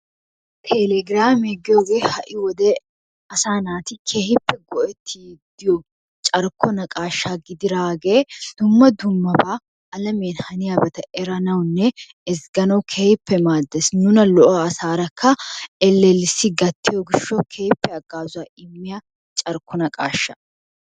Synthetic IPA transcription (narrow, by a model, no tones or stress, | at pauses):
t̪ʰɛlɛɡɾaːmeɡɪjɔɡeːhɐʔɪwɔd̪ɛː | ɐsaːnaːt̪ɪkʰeːhɪpːɛɡɔʔɛt̪ʰːijd̪ːɪjɔ | t͡ʃʼɐɾkʰɔnɐkʼaːʃːaːɡɪd̪ɪɾaːɡeːd̪̥ʊmːɐd̪ʊmːɐbaː | ɐlɐmeːnhɐnɪjaːbɐt̪ɐʔɛɾɐnɐwnːɛ | ɛsɡɐnɐwkʰeːhɪpːɛmaːd̪ːesnʊnɐlɔʔɐːsaːɾɐkʰːɐɛlːɛlɪsɪɡɐt̪ːɪjɔɡɪʃːɔkʰeːhɪpːɛɐɡʼːaːzʊaːʔɪmːɪjɐ | t͡ʃʼɐɾkʰːɔnɐkʼaːʃːɐ